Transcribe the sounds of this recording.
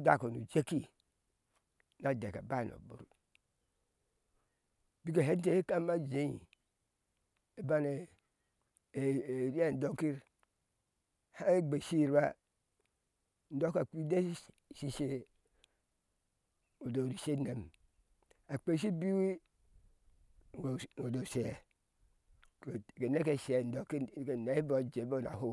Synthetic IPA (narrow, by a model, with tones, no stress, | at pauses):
da̰˨ko˨nu˨d͡ʒe˦ki˦ | na˨dḛ˨ka̰˨ba˦˨no̰˨bṵ˦˨ɾ | bi˦ke˨ɦe˦te˨˦e˦ka˦ma˦d͡ʒe˦ji˨ | e˨ba˦ne˨ | ɾi˦e˦˨n̩˨do˦ki˦ɾ | ha˦e˦ɡ͡be˨si˦˨ɾba˦ | n̩˦do˦ka˨ki˦de˦si˦ʃe˦ | o˨do˨ɾi˨se˦ne˨m | a˨k͡pe˦s̬i˦bi˦wi˦˨ | o˨do˨se˨ | ke˨ne˦ke˨se˨n̩˦do˨˦ki˦ke˨ne˨˦bo˨d͡ʒe˨bo˦˨na̰˨ho˦˨